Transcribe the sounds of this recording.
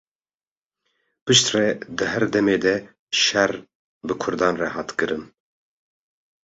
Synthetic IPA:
pɨʃt̪rɛd̪ɨɦɛɾd̪ɛmeːd̪ɛ | ʃɛɾ | bɨkʰʊɾd̪ɑːnrɛhɑːt̪kɨɾɨn

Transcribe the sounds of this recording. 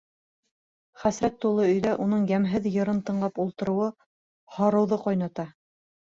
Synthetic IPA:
χæsɾæt̪ːulˠɤɵ̆jðæʔun̪ɤɴjæmɦɘðjɤ̆ɾɤnt̪ɤ̆ɴlˠɑpulˠt̪ɤ̆ɾɤ̆wɤ | hɑɾɤ̆wðɤqɑjnɑt̪ɑ

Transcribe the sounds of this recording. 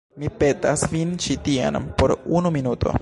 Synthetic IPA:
mipe̞tasvint͡ʃitia̰npoɾunuminuto̞̰

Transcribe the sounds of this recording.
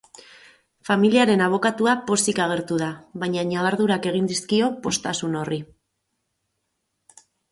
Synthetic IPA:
familiaɾe̞naβ̞o̞kat̪uapo̞sikaɣ̞e̞ɾt̪uð̞aβajɲaɲaβaɾðuɾake̞ɣ̞ind̪iskio̞po̞st̪asuno̞ri

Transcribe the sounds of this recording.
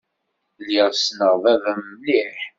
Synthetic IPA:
lːiʁsnəʁvævəmːliħ

